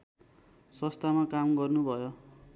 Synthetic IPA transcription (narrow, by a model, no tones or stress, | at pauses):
sʌst̪ʰamakamɡʌrnubʱʌjo